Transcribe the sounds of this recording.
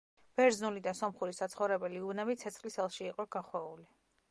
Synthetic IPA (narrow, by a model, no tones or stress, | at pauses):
b̥ɛɾznulid̪asɔmχuɾisat̪sʰχɔvɾɛbɛliubnɛbit̪sʰɛt̪sʰχlisɛlˠʃiːqʼɔɡ̥aχwɛuli